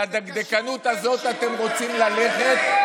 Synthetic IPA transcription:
ad̪aɡd̪ekanut̪azo̞t̪at̪e̞mʁo̞t͡simlale̞χe̞t̪

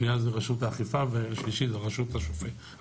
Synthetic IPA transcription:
niazeʁaʃutaːχifaveʃliʃizeʁaʃutaʃofe

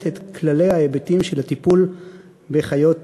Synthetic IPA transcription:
tet̪klalejhaebetimʃelhat̪ipul | beχajo̞t

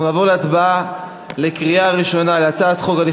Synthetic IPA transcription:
unaːvo̞ʁleat͡sbaa | le̞kʁiaːʁiʃo̞naleat͡saːt̪χo̞kali

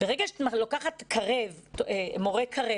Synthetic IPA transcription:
b̥eʁeɡaʃmalokaχatkʰaʁevemoʁekʰaʁe

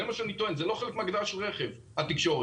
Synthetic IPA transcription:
emaʃeanit̪oenzelo̞χelekmaɡd̪aʃelʁeχev | at̪ikʃo̞ʁe

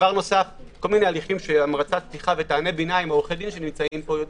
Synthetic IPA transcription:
vaʁno̞safko̞lminealiχimʃeamʁat͡satstiχavet̪aːne̞binaimaoχedimʃe̞nimt͡saimpojod̪

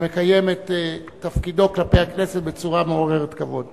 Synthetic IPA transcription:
mekajemet̪ː | afkido̞klape̞jaknesetbet͡suʁameoʁeʁet̪kavo̞d

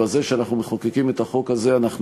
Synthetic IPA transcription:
azeʃeanaχnumeχokekimet̪aχo̞kaze̞anaχn

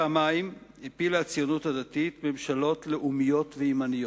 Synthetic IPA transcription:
amaimepilat͡sjo̞nuthad̪at̪itme̞mʃalo̞tle̞ʔumijo̞tveimanijo

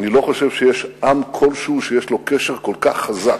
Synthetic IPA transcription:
nilo̞χoʃevʃejeʃʔamkʰo̞lʃuʃejeʃlo̞keʃeʁkolkaχːazak

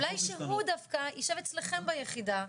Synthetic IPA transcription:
lajʃeɦud̪afkaiʃevet͡sleχe̞mbajeχid̪a

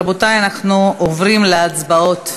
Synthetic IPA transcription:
botajanaχnuovʁimleat͡sbao̞t̪

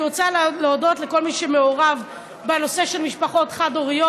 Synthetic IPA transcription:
ot͡salleodo̞tleko̞lmiʃemeoʁav | beeloseʃelmiʃpaχo̞tχado̞ʁijo

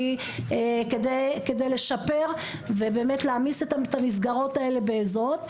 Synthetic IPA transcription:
i | kedejke̞dejle̞ʃape̞ʁvebe̞ːmetleamisetatamis̬ɡaʁo̞tae̞le̞beːzot̪

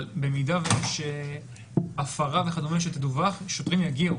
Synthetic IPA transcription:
lbemidavejeʃ | afaʁaveχad̪omeʃet̪ed̪uvaχʃot̪ʁimjaɡi

